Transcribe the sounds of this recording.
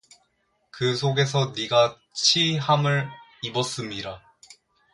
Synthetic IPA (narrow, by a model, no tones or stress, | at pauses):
kɯsʰoɡe̞s̬ʰʌniɡa | t͡ɕʰihamɯɾibʌs͈ɯmɲiɾa